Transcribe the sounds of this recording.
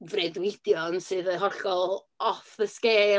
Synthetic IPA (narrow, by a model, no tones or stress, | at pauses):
vrɛdwɪd̥jɔnsɨːðəɦɔɬɔlˠ | ɔθəskeː